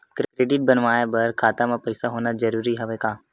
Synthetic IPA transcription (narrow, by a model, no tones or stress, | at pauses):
kkɾeːɖɪʈ̚bənʋaːebɐɾkʰaːt̪amãpɐɪsaɦoːnad͡ʒɐɾuːɾiɦɛʋekaː